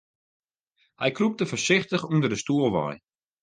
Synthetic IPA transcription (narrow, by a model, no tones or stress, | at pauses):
hɛ̰jkrup̚təfəsɪχtəχundərdəstuəlˠʋɔ̰j